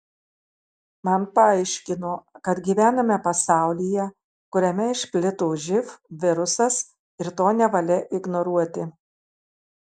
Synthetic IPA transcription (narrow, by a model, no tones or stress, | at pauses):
mɐnpɐɐɪʃʲkʲɪnoːkɐt̪ɡʲiʋʲæːnɐmʲɛpɐsɑˑʊlʲijɛ | kʊɾʲɛmʲɛɪʃʲpʲlʲɪt̪oːʒʲɪfʋʲɪɾʊsɐs | ɪɾt̪oːnʲɛʋɐlʲɛʔɪɡnɔɾuɔt̪ʲɪ